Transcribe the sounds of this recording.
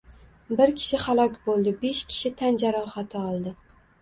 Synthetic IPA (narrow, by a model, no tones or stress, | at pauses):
bɪɾkʲʰɪ̥ʃɪhalˠɒkʲbolˠd̪ɪbe̞ʃkʲʰɪ̥ʃɪt̪ʰand͡ʒaɾɒhat̪ʰɪɒlˠd̪ɪ